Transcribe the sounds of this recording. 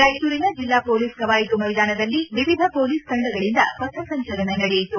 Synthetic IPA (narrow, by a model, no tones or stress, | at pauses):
ɾɐjt̪uːɾinɐd͡ʒilːaːpoːliːskɐʋaːjit̪umɐjd̪aːnɐd̪ɐlːiʋiʋid̪ʱɐpoːliːsk̪ɐɳɖɐɡɐɭind̪ɐ̰sɐsɐsɐɲt͡ʃɐɾɐnenɐɽɛjjit̪u